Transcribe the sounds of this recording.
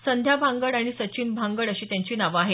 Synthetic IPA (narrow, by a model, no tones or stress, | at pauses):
sənd̪ʱjabʱãŋɡəɭaɽ̃isət͡ɕiːnbʱãŋɡəɭəɕiːt̪jãɲt͡ɕiːnaʋaːɦe